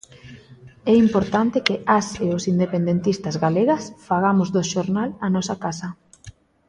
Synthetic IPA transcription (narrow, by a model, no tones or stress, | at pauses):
ɛimpoɾt̪ant̪ɪkɪʔaseosind̪epend̪ent̪ist̪azɣaleɣasfaɣ̞amʊzðoʃoɾnalanɔsakasɐ